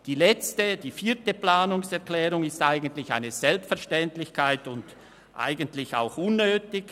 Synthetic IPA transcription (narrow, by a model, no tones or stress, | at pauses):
d̥iːlɛt͡stəd̥iːfiːtəplaːnʊŋsɛɐklɛːʁʊŋɪstaɪɡən̩tlɪçaɪnəzɛlpstfɛɐʃtɛntlɪçkʰaɪtʊnd | ʔa̰ɪɡəntlɪça̰ʊxʔʊnːøːtɪç